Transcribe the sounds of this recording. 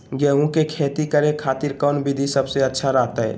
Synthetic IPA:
ɡɛːɦũkekʰeːt̪ikəɾekʰaːt̪iɾkɔːnbid̪ʱisəbseətːʃʰaɾaɦt̪aɛ̰

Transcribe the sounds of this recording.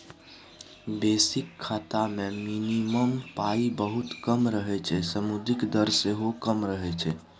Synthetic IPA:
besɪkʰːaːt̪amẽminiməmpaibəɦut̪kəmɾəɦɛt͡ʃʰɛsəmud̪ʱikd̪əɾseɦokəmɾəɦɛt͡ʃʰɛ

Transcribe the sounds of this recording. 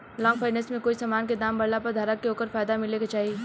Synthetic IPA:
lɔ̃ːŋɡfʰaːɪnɛsmẽkoːisamaːnked̪aːmbɐɽlapɐɾd̪ʱaːɾəkːeoːkəɾfaːjd̪amɪlekat͡ʃaːɦie

